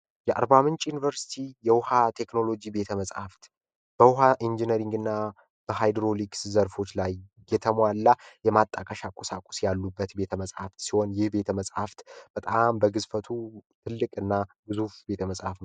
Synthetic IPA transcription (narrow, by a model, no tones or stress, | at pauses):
jɛʔa̰ɾbamɨnt͡ʃʼjunivəɾsi̥t̪ʰijɛwʊhat̪ʰe̞kno̞lo̞d͡ʒibe̞t̪ʰəməsʼha̰ft̪ | b̥əwʊɦaʔind͡ʒinəɾiŋɡɨnːa | b̥əɦajd̪ɾo̞likszəɾfo̞t͡ʃːlajː | ɛt̪ʰəmwalːajɛmat̪ʼːəkʼəʃakʼosakʼu̥sjalːubːət̪be̞t̪ʰəməsʼha̰ft̪siho̞njɪhbe̞t̪ʰəməsʼha̰ft̪b̥ət̪ʼambəɡɨzfət̪ʰut̪ʰɨlːɨkʼɨnːabɨzufbe̞t̪ʰəməsʼha̰fn